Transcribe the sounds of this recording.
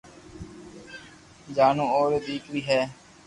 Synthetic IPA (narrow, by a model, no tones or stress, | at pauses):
d͡ʒaːnũːoːɾeːd̪iːkʋiːɦɛː